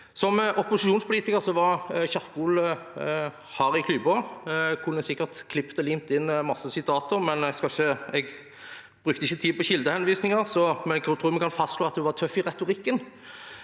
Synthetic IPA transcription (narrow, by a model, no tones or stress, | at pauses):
sɔmʔɔpʊsɪʃuːnspʰʊliːt̪ɪkəʁsɔʋɑʁçɑʁkul | hɑɾɪkʰlʉbɔkʰʊnːəsɪkːəʁt̪kʰlɪpt̪əlɪmt̪ɪnːmɑsːəsɪt̪ʰɑːt̪əɾmɛnɛɡskɑlçəɛɡ | b̥ɾʁʉːkt̪əɪçːət̪ʰiːpɔɕɪld̪əhɛnʋiːsnɪŋəʁsɔmɛnɛt̪ʰɾuːmɛɡkʰɑnfɑst̪ʂloːɑt̪̚d̪ɛʋɑʁt̪ʰœfːɪʁɛt̪ʊʁɪkːən